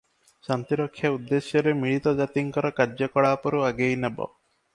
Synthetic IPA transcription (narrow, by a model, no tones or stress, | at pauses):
sant̪iɾɔkʰːjaud̪ːesjɔɾemiɭit̪ɔd͡ʒat̪iŋkɔɾɔkaɾd͡ʒjɔkɔɽaːpɔɾuaɡejnebɔ̰